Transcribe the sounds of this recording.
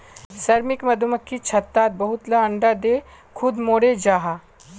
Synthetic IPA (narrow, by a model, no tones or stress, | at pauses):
sɐɾmɪkmɐd̪ʱuməkʰːit͡ʃʰɐt̪ːaːt̪̚bɐɦʊt̪lɐɐɳɖad̪eː | kʰʊd̪moːɽed͡ʒaːɦaː